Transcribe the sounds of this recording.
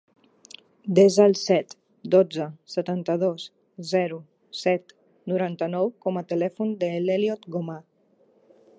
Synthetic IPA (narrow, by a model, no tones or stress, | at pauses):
d̪ezalˠsɛt̪ | d̪od͡zəsət̪ant̪əðos | zɛɾu | sɛt̪ | nuɾant̪ənɔwkɔmət̪əlɛfund̪əleljɔt̪ɡoma